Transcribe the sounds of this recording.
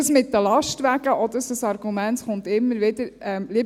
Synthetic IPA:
əsmɪtːəlɑʃtʋæɡəʔɔd̪əsəsɑɾɡumɛntχʊnt̪ɪmːəɾʋɪd̪əɾɛmli

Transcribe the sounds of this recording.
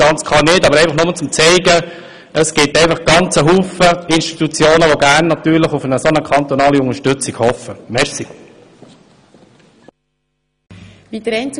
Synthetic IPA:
ɑnt͡skʰχɑnɪtɑbəɾɛɪfɑχnʊmət͡sʊmt͡sɛɪɡə | əsɡ̥ɪtɛɪfɑχɡ̥ɑnt͡səɦuːfəɪnʃti̥t̪ut͡sjoːnəʋoɡæːrnːɑt̪yːɾləχʊfənəsonəkʰɑnt̪ɔnɑːliʊŋəʃtʏt͡siɡhɔfːəmɛɾsi | ʋid̪ɾɛnt͡s

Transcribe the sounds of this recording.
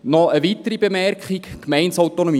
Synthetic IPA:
nɔəʋit̪əɾibemɛrkχikkmɛɪnsɔwt̪onɔmi

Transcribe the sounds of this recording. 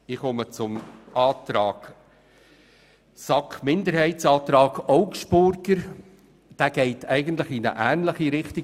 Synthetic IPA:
ɪχɔmət͡sʊmʔɑːt̪ɾɑːɡ̥ | sɑkmɪndəɾhɛɪtt͡sɑːt̪ɾɑːɡɔʊkʃpʊɾkəɾ | d̥æːɡ̥ɛɪtʰɛɪɡənt̪ləχinə̰ʔæːnləχiɾɪχti

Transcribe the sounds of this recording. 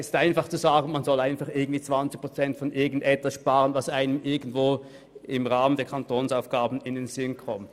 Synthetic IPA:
ɪstʔaɪnfaχt͡suzaːɡn̩manzɔlaɪnfaχɪɐɡŋ̩tv̥iːt͡sv̥ant͡sɪç̚pʁot͡sɛntfɔnʔɪɐɡn̩tɛtvasʃpaːʁənvasaɪnəmʔɪɐɡən̩dv̥oː | ɪmʁaːməndeːɐkʰantʰoːnsaʊfɡ̥aːbn̩ɪndenz̥ɪnkʰɔmt

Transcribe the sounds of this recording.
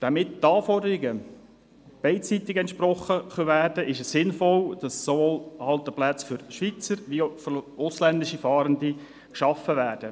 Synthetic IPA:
d̥ɑmɪttɑːfɔdəɾɪɡə | b̥ɛɪt͡sit̪ɪɡɛntʃpɾɔχəχøʋæːrd̥əʔɪʃɛssɪnfɔld̥ɑssoʋoːlɑlt̪əplæt͡sfʏɾʃʋit͡səɾʋifʊslændɪʃifɑːɾəndi | kʃɑfəʋæːrd̥ə

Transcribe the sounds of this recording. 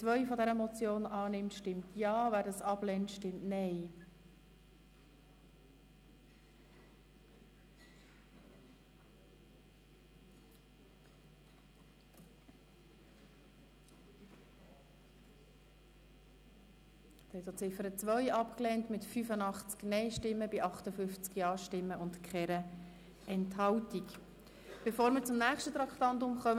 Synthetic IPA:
t͡sʋœʏfɔdɛɾəmɔt͡sjoːnɑːnɪmtʃtɪmt̪jɑːvæːɾdɑsɑblɛntʃtɪmtnɛɪ | thɛt̪jot͡sɪfəɾət͡sʋœʏɑpklɛːntmɪtfyfənɑχt͡sknɛɪʃtɪmːəbiʔɑχtəfʏft͡skjɑːʃtɪmːəʊntkχɛɾə | ɛnthɑwtik | b̥efoːɾmɪɾt͡sʊmnæːχʃtət̪ɾɑkχtɑnt̬ʊmχœm

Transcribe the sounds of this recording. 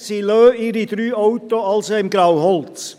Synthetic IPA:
siløːɪɾid̪ɾyːɔʊt̪oɑlsoɪmɡɾawhɔlt͡s

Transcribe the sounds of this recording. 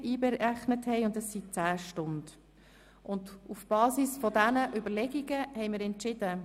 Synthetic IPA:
ʔiːbɛæχnəthɛɪʊndɛsːit͡sæːʃtʊnd̥ | ʔʊndufb̥ɑːsisfɔdænəʔʏbəlɛɡiɡəhɛɪjməɾɛntt͡ʃɪdə

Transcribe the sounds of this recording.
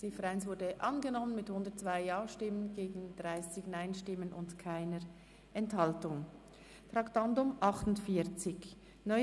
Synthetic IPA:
seːfəʁaɪnsvʊɐdəʔɑnɡənɔmənmɪthʊndətt͡sv̥aɪjaːʃtɪmənɡeːɡn̩d̥ʁaɪsɪçnaɪnʃtɪmənʊ̰ntkʰaɪnəɾ | ʔɛnthɑltʊŋ | tʁɑktandʊmʔɑχtʊntfiːɐt͡sɪç | nɔ

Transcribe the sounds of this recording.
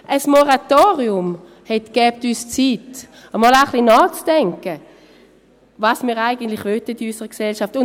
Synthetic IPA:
ʔəsmɔʁatoːʁiʊm | hɛtɡ̥ɛːp̚tyːst͡sit | əmɔːlaχlinɔːt͡sd̥ɛŋkə | vɑsmiːʁaɪɡəntlɪχvœtətiysəʁəksɛlʃaftʊn

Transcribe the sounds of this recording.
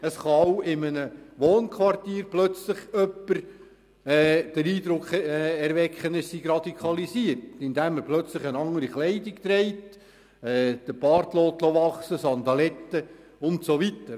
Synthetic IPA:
əsχɑwɪmənəʋoːnkχʋɑrtiːɾplœt͡slɪχœpːəɾ | ɛːd̥əɾiːdɾʊkχɛɛɾʋɛkχənəssiɡrɑd̪ikʰɑlisiərtɪnd̥̪æmːəplœt͡slɪχənɑŋːəɾiχlɛɪdɪkt̪ɾɛɪt | ɛːd̪̥əb̥ɑːɾt̪loːtloʋɑχsəsɑnd̪ɑlɛtːə | ʊntsoʋitːə

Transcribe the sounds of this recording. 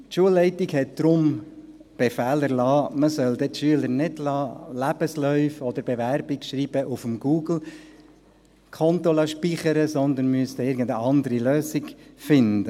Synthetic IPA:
tʃuəlːɛɪtiɡhɛt̚d̪̥ɾʊm | b̥ɛfæːləɾlɑːməsœld̪ɛtʃyələɾnɪdlɑːlæb̥əslœʏfɔd̪əɾbeʋæɾbikʃɾiːb̥əʔufəmɡ̥uːɡl̩ | kʰɔnt̪olɑʃpiχəɾəsɔnd̪ənmyəst̪ɛɪɾɡən̩d̪əɑnd̪əɾiløːsiɡfɪnd̪ə

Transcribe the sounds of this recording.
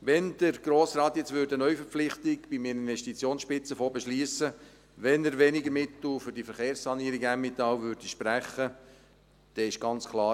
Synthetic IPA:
ʋɛnd̥əɾɡ̥ɾoːsrɑːt̪jɛt͡sʋʏɾdənœʏfəɾp͡flɪχtɪɡb̥iminɪnʋɛʃtit͡sjoːnsʃpɪt͡səfoːbɛʃliːəsə | ʋɛnəɾʋɛnɪɡəɾmɪt̪l̩fʏɾd̥ifəɾχeːɾssɑniːəɾiɡæmːɪt̪ɑwvʏɾd̥iʃpɾæχə | d̪̥ɛːɪʃɡ̥ɑnt͡skʰlˠɑː

